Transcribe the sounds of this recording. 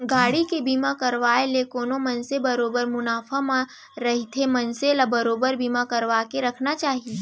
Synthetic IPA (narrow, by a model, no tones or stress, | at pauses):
ɡaːɽikebiːmakɐɾʋaːelekoːnomɐnsebɐɾoːbəɾmʊnaːfʰamã | ɾɐɦit̪ʰemɐnselabɐɾoːbəɾbiːmakɐɾʋaːkeɾɐkʰnat͡ʃaːɦie